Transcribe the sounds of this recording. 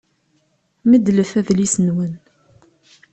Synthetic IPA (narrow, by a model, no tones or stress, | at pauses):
məd̪ləfæðlisənwən